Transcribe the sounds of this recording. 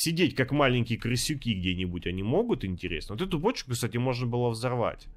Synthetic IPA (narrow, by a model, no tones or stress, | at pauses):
sʲɪdʲetʲkakmalʲɪnʲkʲɪjəkrɨsʲːʊkʲiɡdʲenʲɪbutʲɐnʲimo̞ɡʊt̪ɪnʲtʲɪɾʲesnəʋot̪ɛt̪ʊbot͡ɕkʊkst̪atʲɪmo̞ʐnəbɨlˠəvzɐrva̰tʲ